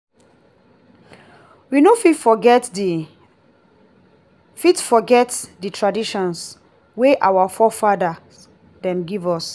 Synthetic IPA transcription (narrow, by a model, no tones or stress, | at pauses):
winofitfɔɡɛt | fitfɔɡɛtditʰɹadiʃɔ̃ns | weʔawafɔfada | dɛ̃mɡivɔs